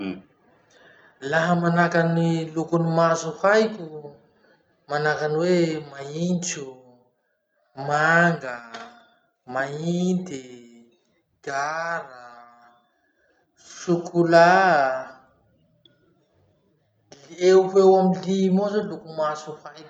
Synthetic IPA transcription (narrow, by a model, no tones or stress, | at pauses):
laɦəmanakanilukunimazufajku | manakanwemaint͡ʃu | maŋɡə | maind̪i | ɡ̥aɾə | sukʰula | leuhewamilimozolukumasufajku̥